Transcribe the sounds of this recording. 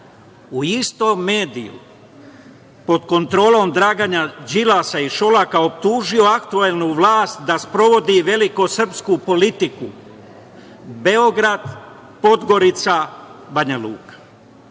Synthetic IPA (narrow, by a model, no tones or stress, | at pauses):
uist̪omːe̞ːd̪ḭjṵ | po̞d̪ko̞nt̪ɾo̞ːlo̞md̪ɾaːɡaɲad͡ʒilasaiʃo̞lakao̞pt̪uːʒio̞akt̪uelˠnuʋlˠaːst̪d̪aspɾo̞ʋo̞d̪iʋe̞liko̞sr̩pskupo̞lit̪iku | be̞o̞ɡɾad̪ | po̞d̪ɡo̞ɾit̪sabaɲalṵːkḁ